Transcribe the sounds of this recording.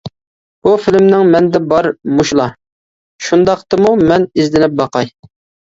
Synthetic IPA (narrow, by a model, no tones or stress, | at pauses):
b̥ufɪlɪmnɪŋmɛnd̪ɛbɑɾmuʃlˠɑ | ʃund̪ɑqt̪ɨmumɛnizd̪ɪnɪp̚bɑqɑj